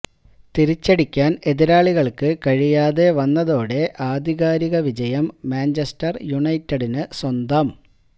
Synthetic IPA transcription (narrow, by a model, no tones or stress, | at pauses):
t̪iɾit͡ɕːeɽikʲːaːne̞ðiɾaːɭiɣɐɭkɨkɐɻijaːðe̞ʋɐnːɐðo̞ːɽe̞ʔaːd̪ʱiɣaːɾiɣɐʋid͡ʑɐjɐmːaːnd͡ʑestɐrjuɳɐjtːeɽinɨswɐnd̪ɐm